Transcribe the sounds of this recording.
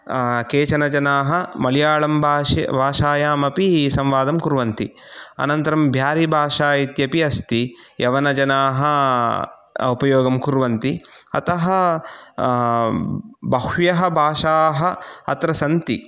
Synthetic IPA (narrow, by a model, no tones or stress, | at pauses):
keːt͡ʃɐnɐd͡ʒɐnaːɦɐ̆mɐlijaːɭɐmbʱa̰ːbʱaːʃaːjaːmɐpisɐ̃mʋaːd̪ɐmkuɾʋɐnt̪iɐ̰nɐnt̪ɐɾɐmbʱjaːɾibʱaːʂaːit̪jɐpiɐst̪ijɐʋɐnɐd͡ʒɐnaːɦɐ | upɐjoːɡɐmkuɾʋɐnt̪iɐ̰t̪ɐɦɐ | bɐhjɐɦɐbʱaːʂaːɦɐɐt̪ɾɐsɐnt̪i